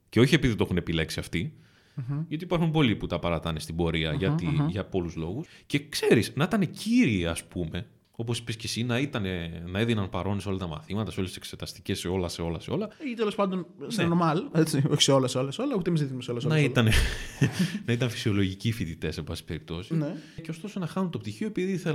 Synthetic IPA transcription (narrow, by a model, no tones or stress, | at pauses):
ceo̞çie̞piðit̪o̞xune̞pile̞ksiɐft̪i | jot̪ipɐɾxumpo̞liput̪ɐpɐɾɐt̪ɐnest̪ibo̞ɾiɐʝɐt̪iʝɐpo̞luzlo̞ɣusce̞kse̞ɾiznɐit̪ɐne̞ciɾiːɐspume̞ | o̞p̬o̞si̥piscesinɐit̪ɐnenɐeðinɐnpɐɾo̞neso̞lɐt̪ɐmɐ̰θimɐt̪ɐso̞lesisekset̪ɐst̪iceseo̞lɐse̞o̞lɐseo̞lɐit̪elo̞spɐnd̪o̞nseeɐnomɐlet͡sioçi̥seolɐsolɐsolɐut̪emiziθinmuseolɐsonɐit̪ɐne | nɐit̪ɐnfi̥sio̞lo̞ʝicifit̪it̪e̞sebɐsi̥pe̞ɾip̚t̪o̞sineceost̪o̞so̞nɐxɐnunt̪o̞p̚t̪içioepiðiθe